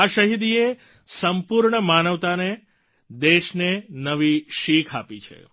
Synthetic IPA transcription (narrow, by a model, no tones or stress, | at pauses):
aʃəɦid̪ie | səmpuɾɳəmanəʋt̪ane | d̪eʃnenəʋiʃikʰapit͡ʃʰḛ